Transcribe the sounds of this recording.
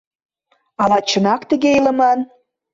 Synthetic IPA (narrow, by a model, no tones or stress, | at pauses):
ɑlɑt͡ɕə̆nɑkt̪ə̆ɣeilə̆mɑn